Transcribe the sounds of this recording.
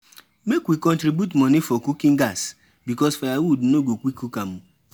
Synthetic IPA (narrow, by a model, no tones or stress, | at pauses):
mekwikɔ̃ntɾibjutmɔnifɔkukĩŋ̩ɡas | bikɔsfajawudnoɡokʷikukamu